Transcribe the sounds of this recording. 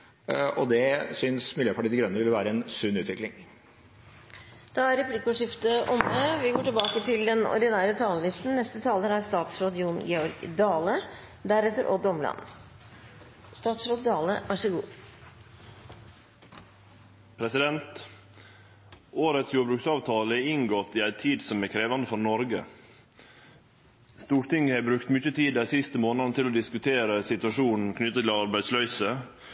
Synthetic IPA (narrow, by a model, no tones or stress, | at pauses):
ɔd̪ɛsʏnsmɪljøːpʰɑʈiːd̪ɪɡɾœnːəʋɪləʋæːɾəɛnsʉnʉːt̪ʋɪklɪŋ | d̪̥ɑæɾɛpliːkʊʂɪft̪əʔɔməʋɪɡoːʈɪlbɑːkət̪ʰɪld̪ɛnɔ̰ɾd̪ɪnæːɾət̪ʰɑːləlɪst̪n̩nɛst̪ət̪ʰɑːləɾæɾst̪ɑːt̪sɾoːd̪juːnɡɛɔɾɡd̪ɑːlə | d̪æɾɛt̪ːəɾʔɔ̰d̪ɔmlɑ̰n | st̪ɑːt̪sɾoːd̪d̪ɑːləʔæʂɪɡṵː | pʰɾɛsɪd̪ɛnt̪ | oːɾət̪sjuːɾbɾʉksɑːʋt̪ʰɑːləɛɪŋɡɔt̪ːɪæɪt̪ʰiːd̪sɔmækʰɾeːʋɑnd̪əfɔɾnɔɾɡə | st̪uːɾʈ̪ɪŋːəhæːbɾʉkt̪mʏt͡ʃːət̪ʰiːd̪æsɪst̪əmoːnənət̪ɪloːd̪ɪskʉt̪ʰeːɾəsɪt̪ʉɑʂuːnn̩kʰnʏt̪ːət̪ʰɪlɑɾbæɪslœʏsə